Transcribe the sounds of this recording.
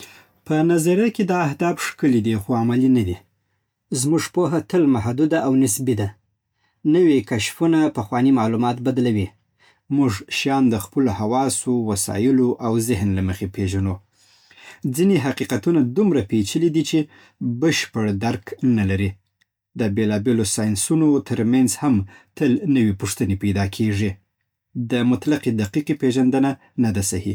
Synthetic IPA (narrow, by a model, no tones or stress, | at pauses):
pənazaɾjaked̪ɑːhd̪ɑbʂkəlid̪ixoamalinad̪i | zmuʐpoɦat̪əlmaɦd̪ud̪aʔawnɪsbid̪a | nəwikaʃfunapaxwɑnimɑlumɑt̪bad̪lawi | muʐʃjɑnd̪əxpəlohawɑsowasɑ̰jɪloʔawzɪɦnlaməxepeʒano | d͡zineɦaqiqat̪unad̪umɾapet͡ʃəlid̪it͡ʃe | bəʃpəɽd̪aɾknalaɾi | d̪əbelɑbelosɑjnsunot̪əɾmanzhamt̪əlnəwipʊʂt̪ənepajd̪ɑkʰeʐi | d̪əmʊt̪laqed̪aqiqepeʒand̪əna | nad̪asahi